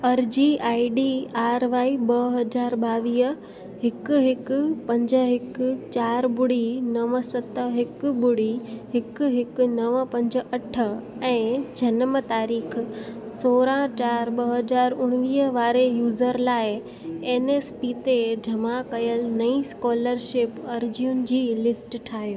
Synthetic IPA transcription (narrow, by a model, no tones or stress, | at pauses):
ɐɾd͡ʑiaːiɖiaːɾʋaːiɓɐɦɐzaːɾɓaːʋiːə | ɦɪkɦɪkʊ̆pɐ̃ɲd͡ʑəɦɪkt͡ɕaːɾbʊɽinɐʋəsɐt̪əɦɪkbʊɽiɦɪkɦɪknɐʋəpɐ̃ɲd͡ʑəɐʈʰə̆ɛ̃ːd͡ʑʱɐnəmət̪aːɾiːkʰsoːɾãt͡ɕaːɾɓɐɦəd͡ʑaːɾʊɽ̃ʋiːəʋaːɾejuːzəɾlaːɪ | eːneːspiːt̪ed͡ʑʱɐmakɐjəlɪnɐĩskɔːləɾʃɪpɐɾd͡ʑiʊnɪ̆d͡ʑiːlɪsʈʈʰaːɦijoː